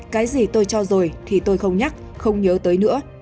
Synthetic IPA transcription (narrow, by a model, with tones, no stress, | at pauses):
kaː˨˦jzi˨˩t̪o˧jt͡ɕɔ˧zo˨˩jt̪ʰi˨˩t̪o˧jxə˧wŋ͡mɲa˦˥k̚xə˧wŋ͡mɲəː˨˦t̪əː˨˦jnɨ̰˧˥ə